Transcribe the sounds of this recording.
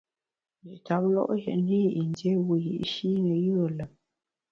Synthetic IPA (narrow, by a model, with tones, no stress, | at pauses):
ji˨ʔta˨˦p̚lɔ̰˦ʔjɛ̰˨ʔni˦˨ʔi˨n˦de˨˦wu˨jḭ˨ʔʃi˦nə˨jɯ˦ə˨lə˨m